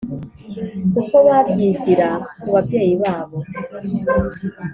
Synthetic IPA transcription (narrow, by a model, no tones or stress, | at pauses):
kukoβaːtjiːciɾakuβabjeːjiβaːβo̞